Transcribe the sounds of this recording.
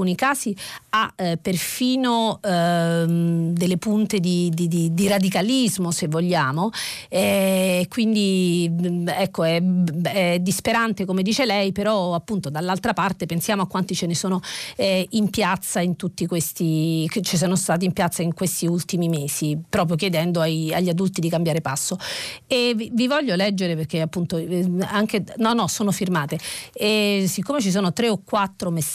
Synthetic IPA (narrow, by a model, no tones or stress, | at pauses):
uːnikaːziapːerfiːno | d̪elːepunt̪ed̪id̪id̪id̪irad̪ikalizmosevːoʎːaːmo | ɛkwind̪i | ɛkːoɛɛd̪ːispeɾant̪ekomed̪iːt͡ʃelɛjpeɾɔapːunt̪od̪alːalt̪ɾapart̪epensjaːmoakːwant̪it͡ʃenesoːnoɛimpjat̪sːaint̪ut̪ːikwest̪ikt͡ʃis̬oːnost̪aːt̪impjat̪sːaiŋkwest̪iult̪imimeːsipɾɔːp̬ɾjok̬jed̪ɛnd̪oaja̰ʎːad̪ult̪id̪ikambjaːɾepasːoevvivɔʎːolɛd͡ʒːeɾeperk̟eapːunt̪oaŋk̟enɔnːɔsoːnofirmaːt̪eesikːomet͡ʃis̬oːnot̪ɾeokːwat̪ːɾomes